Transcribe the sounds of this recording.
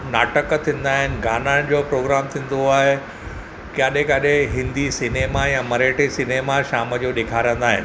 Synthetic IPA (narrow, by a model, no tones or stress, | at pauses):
naːʈəkt̪ʰĩːn̆d̪aːɦɪnɪ̆ɡʱaːnañd͡ʑoːpɾoːɡɾaːmt̪ʰĩːn̆d̪oaːɦe | kaːɗẽkaɗeɦɪ̃nd̪isineːmajamɐɾeːʈesineːmaʃaːməd͡ʑoɗeːkʰaːɾiə̃nd̪aːɦɪ̰nɪ̆